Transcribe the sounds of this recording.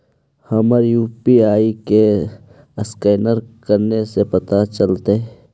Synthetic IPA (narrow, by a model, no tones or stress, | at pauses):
hɐməɾjuːpiaːike | əskeːnəɾkəɾnesepɐt̪at͡ʃəlt̪e